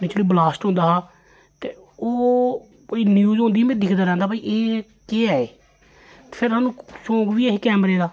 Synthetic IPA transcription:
mɪt͡ʃloiːblaːsʈɦõnd̪aːɦaː | t̪eː | oː | iːnjuːzɦõːnd̪iːmɛ̃ːd̪ɪkʰd̪aːɾɛ̃ːnd̪aːpaːiʔeː | keaːeː | t̪ːpʰɪɾaːnũːsõːɡʋiːeɦeːkɛːmɾeːd̪aː

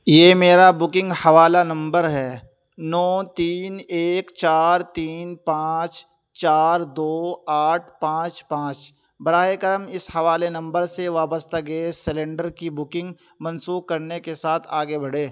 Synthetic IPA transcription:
jeːmeːɾabʊkɪ̃ŋɡhɐʋaːlanɐ̃mbəɾɦɛː | nɔːt̪iːneːkt͡ʃaːɾt̪iːnpãːt͡ʃ | t͡ʃaːɾd̪oːaːʈʰpãːt͡ʃpãːt͡ʃ | bɐɾaːɦekəɾmɪshɐʋaːlenɐ̃mbəɾseʋaːbəst̪ʰaɡeesɪlẽɳɖəɾkibʊkɪ̃ŋɡ | mɐ̃nsuːkɐɾnekesaːt̪ʰaːɡebɐɽeː

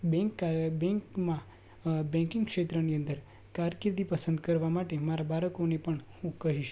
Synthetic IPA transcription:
bɛkbɛ̃ŋkmã | bɛ̃ŋkĩŋɡkʃet̪ɾəniə̃nd̪əɾ | kaɾkɾd̪ipəsə̃nd̪kəɾʋamaʈemaɾabaɾəkonepəɳhũkəɦiʃ

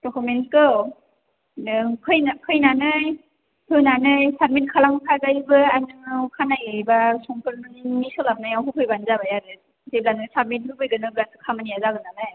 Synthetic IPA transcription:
dɔkʰumentkɯw | kʰɯjnakʰɯjnanɯj | hʰɯnanɯjsad̚mit̚kʰalaŋkʰazajbɯanɯkʰanajɯbasɔŋkɯɾmɯnmisɯlap̚najawɦupʰɯjbanzabajaɾɯ | zeb̚lanɯsad̚mit̚hɯbɯjɡɯnɯblasɯkʰamɯnijazaɡɯnanɯj

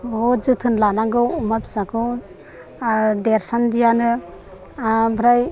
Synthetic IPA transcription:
bod͡ʒɯt̪ʰɯnlanaɡɯwumabizaɡɯw | deɾsandijanɯ | bɾaj

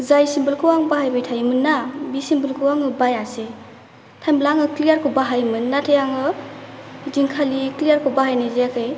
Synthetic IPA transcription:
zajsimbɯlkʰɯwaŋbaɦajbajtʰajmɯnːabisimbɯlkʰɯwaŋɯbajase | tʰajmblaŋɯklijaɾkʰubaɦajmɯnːatʰejaŋɯ | diŋkʰaliklijaɾkʰɯbaɦajnɯzeakʰɯj

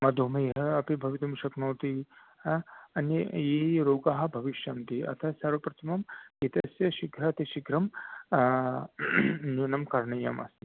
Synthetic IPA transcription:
mɐd̪ʱomɐjɦɐɐpibʱɐʋit̪ɐmʃɐknoːt̪i | ɐnijiɾoːɡaːɦɐ̆bʱɐʋiʃjɐmt̪iʔɐ̰t̪ʰɐsɐɾʋɐpɾɐt̪ʰɐmɐmɡit̪ɐsjɐʃiɡʱɾaːt̪iʃiɡɾɐm | njunɐmkɐɾɳɐjɐmʔɐ̰st̪i

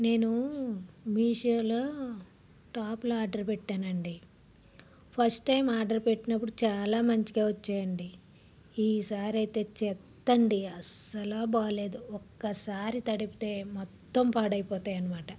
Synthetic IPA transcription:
ne̞ːnu | miːʂɐloː | ʈaːploaːɾɖɐɾpeʈːaːnɐɳɖi | pʰɐɾsʈːɐjmaːɾɖɐɾpeʈːinɐp̬ːuɽut͡ʃaːlaːmɐɲt͡ʃikeːʋɐt͡ʃːaːjɐɳɖi | iːsaːɾɐjt̪e̞ːt͡ʃɛt̪ːɐɳɖiɐsɐlaːbaːle̞ːd̪uɔkːɐsaːɾit̪ɐɽipi̥t̪e̞ːmɔt̪ːɐmpaːɽɐjpɔːt̪aːjɐnɐmaːʈɐ

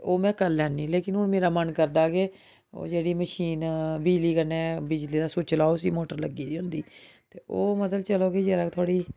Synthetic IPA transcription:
oːmɛ̃ːkəlːɛːnːiːleːkɪnɦʊnmeːɾaːmənkəɾd̪aːkeː | o̰ːd͡ʒeːɽiːməʃiːnbid͡ʒliːkənɛːbɪd͡ʒliːd̪aːsoːt͡ʃəlaːosḭːmoːʈəɾləɡiːd̪iːɦʊnd̪iː | t̪eːʔoːmət̪əlt͡ʃəloːkeːd͡ʒeːɾaːt̪ʰoːɽiː

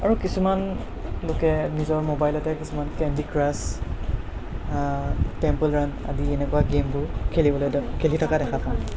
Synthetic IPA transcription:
a̰ɹukisuman | lokɛnizɔɹmobajlɔtɛkisumankɛndikɹas | tɛmpəlɹanda̰diɛnɛkuwaɡempʊɹkʰelibɔlojkʰelitʰɔkadɛkʰapʰã

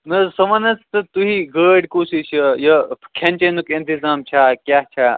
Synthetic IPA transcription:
nɐsɐʋɐnɐt͡st̪ɨt̪uɦiɡəːɖkusit͡ʃʰɐjɐkʰɐnʲt͡ʃenukɐ̃nt̪izaːmt͡ʃʰaːkʲjaːɦt͡ʃʰaː

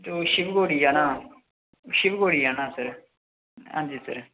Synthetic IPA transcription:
t̪oːʃɪbɡoːɽiːaːnaː | ʃɪbɡoːɽiːaːnãːsəɾ | ɦa̰ːɲd͡ʒiːsəɾ

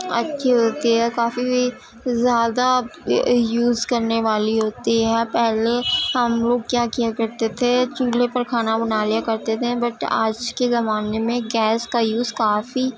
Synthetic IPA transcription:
ɐ̰tːʃʰeɦoːt̪iɦɛːkaːfibʱi | zjaːd̪a | juːzkɐɾneʋaːliɦoːt̪iɦɛːpɛɦleɦɐmloːɡ̚kjaːkijakɐɾt̪et̪ʰet͡ʃuːlepɐɾkʰaːnabɐnaːlijakɐɾt̪et̪ʰebɐʈa̰ːd͡ʒkezɐmaːnemẽɡɛːskajuːzkaːfi

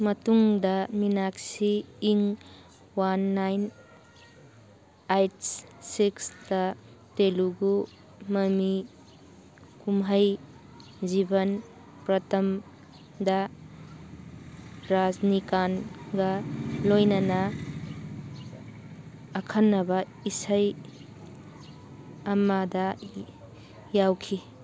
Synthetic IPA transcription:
mɐtuŋdɐminaksiːŋ | wanːajn | ajtssiksdɐ | teluɡu | mɐmi | kumɦɐj | d͡ʒibɐn | pɾɐtʰɐm | dɐ | ɾaznikanɡɐlojnɐnɐ | kʰanːɐbɐ | isaj | ɐmadɐ | jawkʰi

